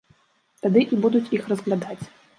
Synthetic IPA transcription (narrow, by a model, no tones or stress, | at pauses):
t̪ad̪ɨʔibud̪ut͡sʲixrɐzɣlʲad̪at͡sʲ